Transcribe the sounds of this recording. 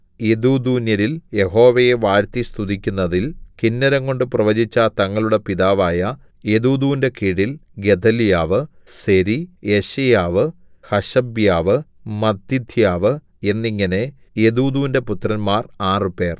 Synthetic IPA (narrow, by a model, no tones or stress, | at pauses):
eðuːd̪uːnjɐɾilje̞ɦo̞ːʋɐje̞ʋaːɾt̪ist̪uðikʲːunːɐðilkinːɐɾɐŋɡo̞ɳɖɨprɐʋɐd͡ʑit͡ɕːɐt̪ɐŋːɐɭuɽe̞piðaːʋaːjɐ | e̞ðuːd̪uːnde̞kiɽilɡe̞d̪ʱɐljaːʋɨse̞ɾieɕɐjaːʋɨ | hɐɕɐbjaːʋɨmɐd̪id̪ʱjaːʋɨ | e̞nːiŋːɐne̞ | eðuːd̪uːnde̞put̪rɐnmaːraːrɨpe̞ːr